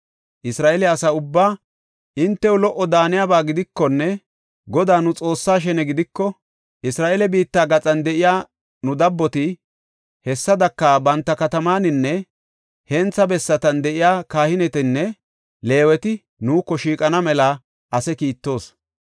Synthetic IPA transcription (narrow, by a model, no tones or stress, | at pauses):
ʔɪsɾaːʔɛlɛɐsɐʊbːaː | ʔɪnt̪ːɛwʊlɔʔːɔd̪aːnɪjaːbaːɡɪd̪ɪkːɔnːɛ | ɡɔd̪aːnʊt͡sʼo̞ːsːaːʃ̬ɛnɛɡɪd̪ɪkːɔ | ʔɪsɾaːʔelɛbiːt̪ːaːɡɐt͡sʼɐnd̪ɛʔɪjaː | nʊd̪ɐbːɔt̪ɪ | hɛsːɐd̪ɐkːaːbɐnt̪ːɐkɐt̪ɐmaːnɪnːɛ | hɛnt͡sːɐbɛsːɐt̪ɐnd̪ɛʔɪjaːkaːhɪnɛt̪ɛnːɛ | le̞ːwɛt̪ɪ | nuːkːɔʃiːkʼɐnɐmɛla | ʔɐsɛkiːt̪ːo̞ːs